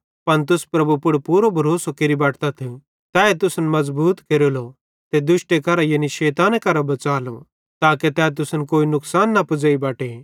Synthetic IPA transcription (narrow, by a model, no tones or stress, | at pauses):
pɐnt̪̬ʊspɾɐbupʊɽpuːɾobʱɐɾoːsokeɾibaːʈʰt̪at̪ʰẽ | t̪ɛːet̪ʊsnmɐzbuːt̪keɾolo | t̪ed̪ʊʃʈekɐɾajeniʃeːt̪aːnekɐɾabɐt͡saːlo̰ | t̪aːket̪ɛːt̪ʊsənkoːinʊksaːnːɐpʊd͡ʒaibaːʈe